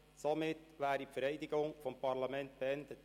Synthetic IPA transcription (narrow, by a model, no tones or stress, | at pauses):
somɪtʋæːɾipfəɾɛɪdiɡʊŋfɔmpɑɾlɑmɛntb̥eɛnd̥ət